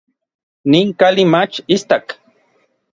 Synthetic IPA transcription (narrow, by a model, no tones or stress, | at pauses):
niŋkalimat͡ʃist̪ak